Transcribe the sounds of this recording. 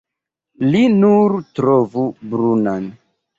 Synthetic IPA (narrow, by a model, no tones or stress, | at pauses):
linuɾtɾovubɾunan